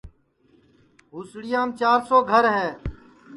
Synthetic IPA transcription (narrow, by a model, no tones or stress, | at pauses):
ɦusɽɪjãːmt͡ʃaːɾsoːɡʱəɾɦɛː